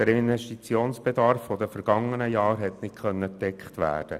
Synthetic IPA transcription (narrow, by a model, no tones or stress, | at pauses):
d̥əɾɪnʋɛʃtit͡sioːnsb̥ɛdɑɾfːɔdəfəɾɡ̥ɑŋːənəjɑːɾɦɛt̪nɪtχœnːətɛkχtʋæ̰ːd̥ə̰